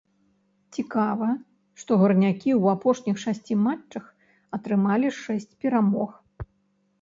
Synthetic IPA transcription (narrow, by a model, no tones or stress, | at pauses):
t͡sʲikavɐ | ʂt̪ɔɣɐrnʲakʲiwapɔʂnʲixʂasʲt͡sʲimat͡ʂːɐx | ɐt̪ɾɨmalʲiʂɛsʲt͡sʲpʲɛɾamɔx